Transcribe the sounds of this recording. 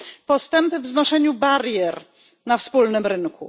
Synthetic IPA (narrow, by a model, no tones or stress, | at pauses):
pɔst̪ɛmpɘvznɔʂɛɲubaɾjɛɾ | nafspulnɘmɾɘŋkṵ